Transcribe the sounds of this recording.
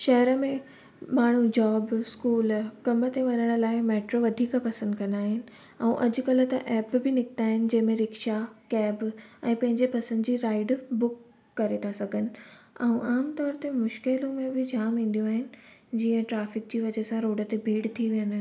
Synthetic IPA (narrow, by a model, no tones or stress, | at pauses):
ʃɐɦɾəmẽ | maːɳ̤ud͡ʑɔːbskuːlkɐmət̪eʋɐɲəɽ̃ʊ̆laːɪmeːʈɾoʋɐd̪ʱiːkəpɐsə̃nd̪kɐ̃nd̪aːɦɪnɪ̆ | ɐũʔɐd͡ʑʊ̆kɐlə̆t̪ɐʔɛːpbʱɪnɪkɪt̪aːɦɪnɪ̆d͡ʑɐ̃ɦɪ̃mẽɾɪkʃakɛːbɛ̃ːpɐ̃ɦɪ̃ɲd͡ʑepɐsə̃nd̪d͡ʑiːɾaːɪɖbʊkː | ɐɾet̪ʰasɐɡʱənɪ̆ɐ̃ũʔaːmt̪ɔːɾt̪emʊʃkɪlõmẽbɪd͡ʑʱaːmɦĩːn̆d̪ijõaːɦɪnɪ̆d͡ʑiːə̃ʈɾaːfɪk̚d͡ʑiːʋɐd͡ʑesãɾoːɖət̪ebʱiːɽt̪ʰiʋijə̃n